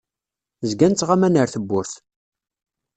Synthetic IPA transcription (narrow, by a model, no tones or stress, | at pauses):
zɡænt͡sːʁamænəɾθəbːʊɾθ